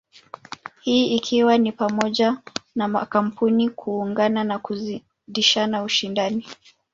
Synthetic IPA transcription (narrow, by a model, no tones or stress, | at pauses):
hiːikʰiwanipamɔʄanama̰kam̩punikʰuːŋɡananakui | ɗiʃanauʃindani